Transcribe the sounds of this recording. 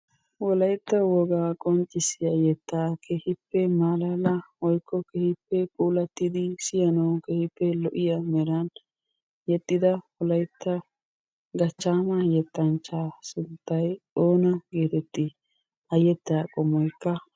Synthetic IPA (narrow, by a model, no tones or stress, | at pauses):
wɔlɐjt̪ːɐwɔɡaːkʼɔnt͡ʃʼːɪsɪjɐjɛt̪ːaːkʰehɪpːɛmaːlaːlɐwɔjkːɔkɛhɪpːɛkʼuːlɐt̪ːɪd̪ɪsɪjɐnɐwkɛhɪpːɛlɔʔɪjɐmɛɾɐn | jɛt̪ʼːɪd̪ɐwɔlɐjt̪ːɐ | ɡɐt͡ʃːaːmɐjɛt̪ːɐnt͡ʃːaːsʊnt̪ːɐjoːnɐɡe̞ːt̪ɛt̪ːɪ | ɐjɛt̪ːaːkʼɔmɔjkːɐ